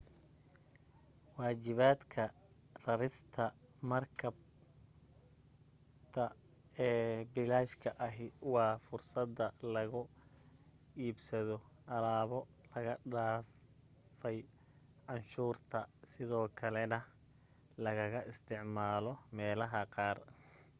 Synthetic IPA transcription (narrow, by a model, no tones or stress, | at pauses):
wɑːt͡ʃɪβaːd̪kʰɐ | rɐɾɪst̪ʰɐmɐrkʰɐb | t̪ʰɐ | ɛːbɪlaːʃkʰɐʔɐɦɪwɑːfʊrsɐd̪ːɐlɐɣʊ | iːbsɐðɔʔɐlaːβɔ | lɐɣɐɖaː | fɛj | ʕɑnʃuːrt̪ʰɐsɪðɔːkʰɐlɛnɐ | lɐɣɐɣɐʔɪst̪ʰɪʕmaːlɔmɛːlɐɦɐqɑːr